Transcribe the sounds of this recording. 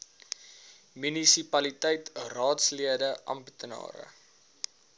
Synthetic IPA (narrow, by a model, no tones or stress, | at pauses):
mynisipɐlitəjtrɑːtsliədəʔɐ̰mbətənɑ̰ːɾə̰